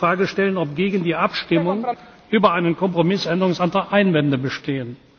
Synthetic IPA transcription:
ʁ̥aːɡəʃtɛlənɔpɡ̥eːɡən̩diːʔapʃtɪmʊŋ | ʔyːbɐʔaɪnənkɔmpʁ̥omɪsɛndəʁʊŋsantʁ̥axʔaɪnvɛndəbəʃteːən

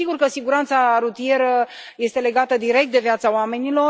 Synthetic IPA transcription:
iɡurkəsiɡuɾant̪saɾut̪ije̞ɾə | je̞st̪e̞le̞ɡat̪əd̪iɾe̞k̚t̪̚d̪e̞viat̪saoame̞nilo̞

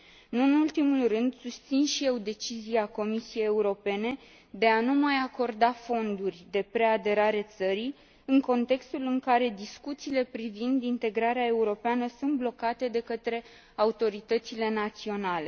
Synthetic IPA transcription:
ɨnɨnult̪imulrɨnd̪sust̪sinʃije̞wd̪e̞t͡ʃiziako̞misije̞jeuɾo̞pe̞ne̞ | d̪e̞anumajako̞rd̪afo̞nd̪urʲd̪e̞pɾe̞ad̪e̞ɾaɾet̪səɾi | ɨŋko̞nt̪e̞kst̪ulɨŋkaɾe̞d̪iskut̪siːle̞pɾivind̪int̪e̞ɡɾaɾeae̞uɾo̞peanəsunt̪̚blo̞kat̪e̞d̪e̞kət̪ɾe̞ | aut̪o̞ɾit̪ət̪sile̞nat̪sio̞nale̞

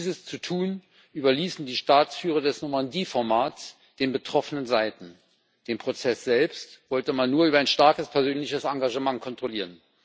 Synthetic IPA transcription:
iːzəst͡sutʰuːn | ʔyːbɐliːsn̩diːʃtaːt͡sfyːʁ̞ɐdɛsnomandiːfɔɐmaːt͡s | d̥eːnbətʁ̥ɔfənənzaɪtn̩ | d̥eːnpʁ̥ot͡sɛsz̥ɛlpstv̥ɔltəmanːuːɐʔyːbɐaɪnʃtaɐkəspʰɛɐzøːnlɪçəsaŋɡaʒəmaŋkʰɔntʁ̥oliːʁən

